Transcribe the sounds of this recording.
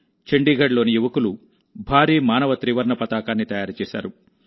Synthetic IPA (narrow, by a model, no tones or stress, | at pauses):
t͡ʃeɳɖiːɡʱɐɽlo̞ːnijuʋɐkulu | bʱaːɾiːmaːnɐʋɐt̪ɾiːʋɐɾɳɐpɐt̪aːkaːnːit̪ɐjaːɾt͡ʃɛːsa̰ːɾu